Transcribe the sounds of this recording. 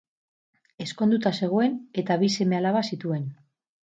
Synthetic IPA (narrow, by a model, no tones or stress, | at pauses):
e̞sko̞nd̪ut̪ase̞ɣ̞o̞e̞ne̞t̪aβise̞me̞alaβasit̪ue̞n